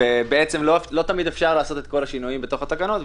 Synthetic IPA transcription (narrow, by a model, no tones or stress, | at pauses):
ebeet͡semlolo̞t̪amid̪efʃaʁlaːso̞t̪et̪ko̞laʃinujimbet̪o̞χat̪akano̞t̪